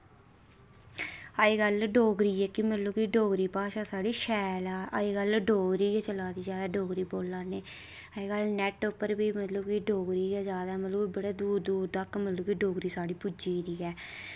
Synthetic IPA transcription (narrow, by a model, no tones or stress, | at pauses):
əːiːɡəlɖoːɡɾiːɛːkimət̪luːkiɖoːɡɾiːpaːʃaːsaːɖiːʃɛːlaːʔəiːɡəlɖoːɡɾiːɡɛːt͡ʃəlaːd̪iːd͡ʒaːd̪aːɖoːɡɾiːboːlːaːneː | əiɡəlnɛʈʊpːəɾbiːmət̪ləbkɪɖoːɡɾiːɡaːd͡ʒjaːd̪aɛːmət̪loːbəɽaːd̪uːɾd̪uːɾd̪akmət̪luːkiɖoːɡɾiːsaːɽiːpʊd͡ʒiːɾiːɛː